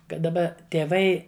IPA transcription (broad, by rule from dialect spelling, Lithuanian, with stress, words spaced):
ˈkɐt dɐˈbɐ tʲeːˈʋɐɪ